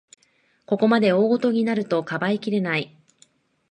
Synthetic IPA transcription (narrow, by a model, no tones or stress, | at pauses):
ko̞ko̞mad̪e̞o̞ːɡo̞t̪o̞ɲ̟inaɾɯ̟t̪o̞kabaikʲiɾe̞nai